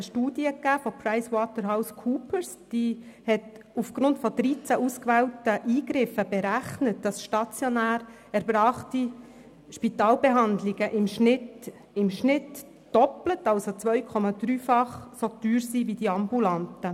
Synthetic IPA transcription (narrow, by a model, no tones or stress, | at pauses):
əʃtuːd̥iəkːæːfopʰɾaɪswɔtəɾɦaʊskʰuːpəɾsd̥iːhɛt | ufɡ̥ɾʊntfɔd̥̪ɾiːt͡sæʔuskʋɛːltəʔiːɡɾɪfəb̥ɛɾæχnət̚d̥ɑsʃtɑt͡sjonæːɾ | æɾbɾɑːχti | ʃpit̪ɑːlbeɦɑnd̪liɡəʔɪmʃnɪt | ɪmʃnɪt | d̥ɔplətɑlsot͡sʋœʏkʰɔmɑd̪̥ɾyːfɑχsot̪yːɾsiʋid̥iɑmbulɑntə